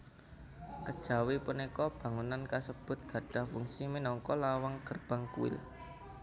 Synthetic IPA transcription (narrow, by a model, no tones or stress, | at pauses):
kəd̥ʒ̥a̤wipunekɔb̥ä̤ŋunankasəb̥ʊ̤t̪̚ɡ̥ä̤ɖ̥a̤hfuŋsimenɔŋkɔlawaŋɡ̥ərb̥a̤ŋkṵɪ̰l